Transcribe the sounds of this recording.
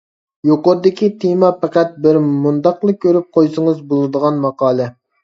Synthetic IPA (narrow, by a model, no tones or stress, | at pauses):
joqoɾɨd̪ɪkʲit̪ʰemɑpʰɛqæt̪̚bɪɾmund̪ɑqlˠɨkʲʰːøɾyp̚qʰojsɨŋəzbolˠɨd̪əʁɑnmɑqɑːlˠɛ